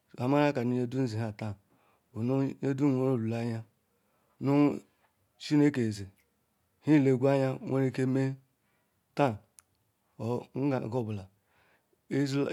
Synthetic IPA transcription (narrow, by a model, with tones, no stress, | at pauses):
a˨ma˦ɾa˦ka˨nu˦je˦du˦zi˨ɦa˨ta˦˨ | u˨nu˦e˦du˦o˦ɾo˦˨lu˨la˦ja˦ | nu˦ | t͡ʃi˦ne˦ke˨ze˨ | hi˦˨le˨ɡʷa˦ɲa˦ŋʷʔo˦ɾe˦ke˦me˦ | ta˦˨˦ | ɡo˦bu˨la˨ | e˦zl